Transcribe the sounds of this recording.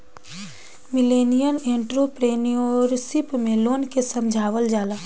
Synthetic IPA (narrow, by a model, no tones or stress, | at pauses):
mɪleːnijənẽːɳʈɾopɾeːnioɾsɪpmẽloːnkesəmd͡ʒʱaːʋəld͡ʒaːlaː